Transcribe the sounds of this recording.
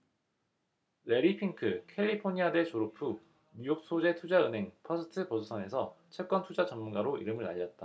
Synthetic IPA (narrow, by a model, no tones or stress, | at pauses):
ɾe̞ɾipʰiŋkʰɯkʰe̞ʎːipʰoɲiade̞t͡ɕoɾopʰu | mujok̚s͈ʰod͡ʑe̞tʰud͡ʑaɯnɦe̞ŋpʰʌsʰɯtʰɯpʌsʰosʰʌne̞sʰʌt͡ɕʰek͈wʌntʰud͡ʑat͡ɕʌmmunɡaɾoḭɾɯmɯɭa̰ʎːʌt̚t͈a